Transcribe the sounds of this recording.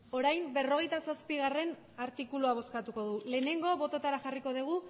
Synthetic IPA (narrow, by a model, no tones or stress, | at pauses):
o̞ɾajmbe̞ro̞ɣ̞e̞jt̪asaspiɣ̞are̞n | aɾt̪ikuluaβ̞o̞skat̪uko̞ðule̞ːne̞ŋɡo̞βo̞t̪o̞t̪aɾaʝariko̞ðiɣ̞u